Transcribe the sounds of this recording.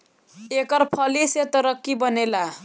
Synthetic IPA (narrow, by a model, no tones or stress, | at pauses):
ekʌrpʰʌliset̪ʌɾʌkːibʌnela